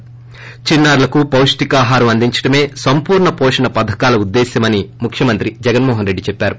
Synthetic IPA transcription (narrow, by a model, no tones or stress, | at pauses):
t͡ʃinːaːɾulɐkupɐwʂʈikaːɦaːɾɐmɐnd̪iɲt͡ʃɐ̥ʈɐme̞ːsɐmpuːɾɳɐpɔːʂɐɳɐpɐd̪ʱɐkaːlɐud̪ːeːsɐmɐnimukʰjɐmɐnt̪ɾid͡ʒɛɡɐnmɔːɦɐnɾeɖːit͡ʃɛpːaːɾu